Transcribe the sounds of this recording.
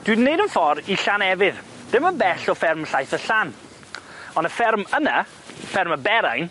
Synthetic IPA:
d̥wɨdnːejdənfɔɾiɬanɛvɪð | d̥ɪməbɛɬɔfɪrmɬajθəɬan | ɔndəfɪrməna | fɛrməbɛɾajn

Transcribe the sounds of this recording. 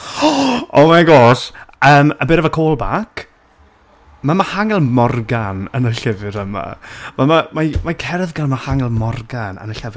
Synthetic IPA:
ɔmaɡoːsəːməbɪɾɛvakʰoːlˠbakʰ | mamahaŋɛlˠmɔrɡanənəɬɛvɨɾəma̰mamamamakʰɛrðɡanmahaŋɛlˠmɔrɡanə̰nəɬɛv

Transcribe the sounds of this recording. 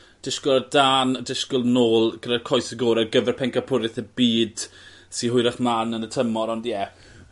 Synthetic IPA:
d̥ɪʃkʊlˠədaːnədɪʃkʊlˠnoːlˠɡ̥əɾɛrkʰɔjsəɡoːɾɛrɡəvɛrpʰɛŋkapʰʊɾɪθəbiːd̥ | siɦʊjɾaχmanənətʰəmɔɾɔndjɛ

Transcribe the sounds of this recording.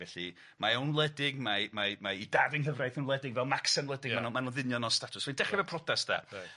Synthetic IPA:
vɛɬi | maəwnlˠɛdɪɡmamamaidadəŋɦəvrajθənlˠɛdɪɡvɛlˠmaksanlɛdɪɡmanmanunðɪnjɔnɔstatʰʊsmandɛχɛvɛpʰrɔdasd̥a̰

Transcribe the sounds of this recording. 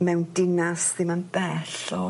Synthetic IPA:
mɛwndɪnasðimanbɛɬɔ

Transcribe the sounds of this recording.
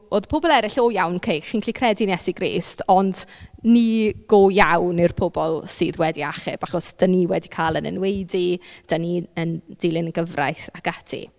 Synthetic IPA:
oːðpʰobɔlˠɛɾɪɬɔjawnkʰejχinkʰlikʰrɛdinjɛsiɡrḭːstʰɔndniɡ̥ojawnɪrpʰʊbɔlˠsɨːðwɛdiaχɪ̰b̥aχɔsd̥əniwɛdikʰaːlˠənə̰nwejdid̥əniənd̥ɪlˠɪnəɡəvra̰jθaɡ̥atʰḭ

